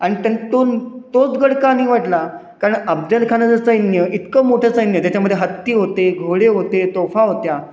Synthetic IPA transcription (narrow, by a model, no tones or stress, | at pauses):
aɽ̃it̪ənt̪ont̪ot͡sɡəɽkaniːʋaʈla | kaɾəɳəb̚d̪əlkʰanəd͡zəsəjnjəʔit̪kəmoʈʰəːsəjnjət̪jat͡ɕaməd̪ʱːjeɦət̪ːiːɦot̪eɡʱoɽeɦot̪et̪ofaɦot̪ja